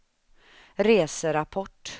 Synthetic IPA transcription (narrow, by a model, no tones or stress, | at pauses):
ɾeːsəɾapʰɔʈː